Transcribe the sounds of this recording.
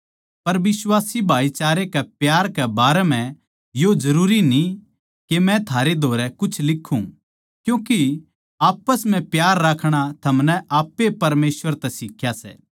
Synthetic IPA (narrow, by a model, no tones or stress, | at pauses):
pɐɾʋɪswaːsibʱaːit͡ʃaːɾekɛpjaːɾkɛbaːɾɛmɛ̃ | jod͡ʒɐɾuːɾini | kemɛ̃t̪ʰaːɾed̪ʱoːɾɛkʊt͡ʃʰlɪkʰːṵ̃ | kjũːki | aːpəsmɛ̃pjaːɾːaːkʰɽ̃at̪ʰɐmnɛaːpːepɐɾmeːsʋəɾt̪ɛsɪkʰjasɛ̰ː